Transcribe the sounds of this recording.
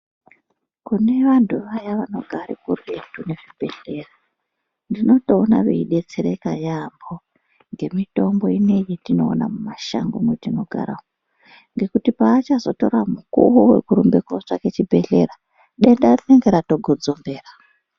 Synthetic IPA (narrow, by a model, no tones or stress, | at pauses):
kune̞ʋantuʋajaʋano̞ɡʱaɾikurwetune̞ʐib̥ʱe̞ɬe̞ra | ndino̞to̞ːna̰ʋḛiɗe̞t͡seɾekajambo | ŋɡe̞mito̞mboine̞jetino̞ːna̰mumaʃa̰ŋɡomwetino̞ɡʱa̰ɾawo | ŋɡe̞kutipaːt͡ʃazo̞to̞ɾamukṵwuwe̞̰kuɾumbe̞kot͡ʂake̞t͡ʃibʱe̞ɬe̞̰ra | ɗenɗarineŋɡeɾato̞ɡʱo̞d͡zo̞mbe̞ːra